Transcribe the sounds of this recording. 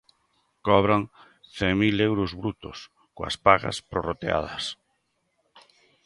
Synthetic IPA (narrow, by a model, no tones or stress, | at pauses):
kɔβɾaŋ | θeŋmilewɾozβɾut̪o̰s | koa̰spaɣa̰spɾorot̪ea̰ð̞ɐs